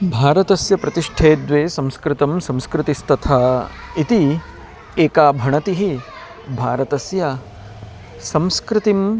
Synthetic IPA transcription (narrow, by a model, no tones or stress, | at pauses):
bʱaːɾɐt̪ɐsjɐpɾɐt̪iʂʈʰeːd̪ʋeːsɐ̃mskɾɪt̪ɐmsɐ̃mskɾɪt̪ist̪ɐt̪ʰaːit̪i | eːkaːbʱɐɳɐt̪iɦi | bʱaːɾɐt̪ɐsjɐ | sɐ̃mskɾɪt̪im